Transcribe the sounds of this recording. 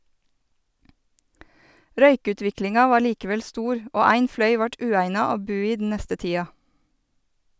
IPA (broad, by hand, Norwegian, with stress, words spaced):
ˈɾœʏˌkʉːtʋɪklɪŋɑ ˈʋɑː ˈliːkəˌʋɛl ˈstuːɾ ˈoː ˈæɪŋ ˈflœʏ ˈʋɑʈ ˈʉːæɪnɑ ˈoː ˈbʉː ˈiː dn̩ ˈnɛstə ˈtiːɑ